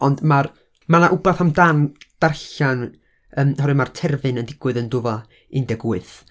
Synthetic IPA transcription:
ɔndmar | manaʔʊbaθamdand̥arɬan | əːmhɔɾɨmartʰɛrvɨnəndɪɡ̥wɨðəndʊvɔ | ɨndɛɡwɨθ

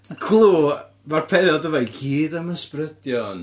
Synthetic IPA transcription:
kʰlˠuː | marpʰɛɾɔdəvɔjɡiːdəməsprəd̥jɔn

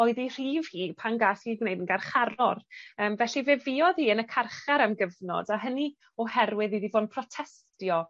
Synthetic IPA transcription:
ɔɨðir̥iːvhiːpʰanɡasiɡwnejdənɡarχaɾɔrəːmvɛɬivɛviɔðhiːənəkʰarχaɾamɡəvnɔ̰daɦəni | ɔhɛrwɪðiðivoːdpʰrɔtʰɛsttjɔ

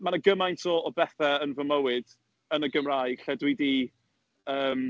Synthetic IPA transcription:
manəɡəmajntʰɔɔbɛθɛənvəməwɪd̥ | ənəɡəmrajɬɛdwidi | əːm

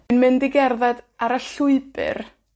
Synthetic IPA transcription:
ɨnmɨndɪɡɛrðadaɾaɬʊɨbɨ̰r

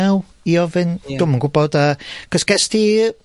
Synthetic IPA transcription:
ɛw | iɔvɪnd̥ʊməŋɡubɔdakʰəskɛsti

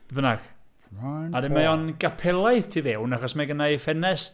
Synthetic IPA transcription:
bənaɡ̥ | aadɪmajɔnɡ̥apʰɛlˠaɨðtʰivɛwnaχɔsmaɡənajfɛnɛs

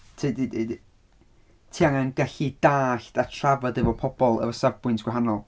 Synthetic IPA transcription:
tʰiːdidid | tʰiaŋanɡɛɬidaːɬtatʰravadɛvɔpʰɔb̥ɔlˠə̰vɔsavbʊjntʰɡwɛɦanɔlˠ

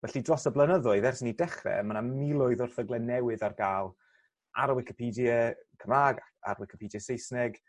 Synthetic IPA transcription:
vɛɬidrɔsəblˠənəðʊɨðɛrsɪnidɛχrɛ̰manamilˠʊɨðʊrθəɡlɛnɛwɨðarɡaːlˠ | a̰ɾəwɪkɪpʰiːdjəkʰəmaːɡaa̰ɾwɪkʰɪ̥pʰiːdjəsejsnɛɡ

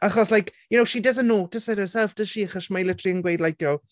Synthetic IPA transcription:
aχɔslajkjʊnowʃidəz̬ənoːtʰəsɛɾəsɛlˠfd̥ə̥ʃiːaχɔsmajlɪtʰriənɡwejdlajkjɔ

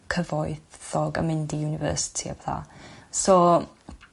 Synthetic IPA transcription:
kʰəvɔjθɔɡə̰mɪndijunɪvə̰ːsɪ̥tʰia̰bɛθa̰sɔ

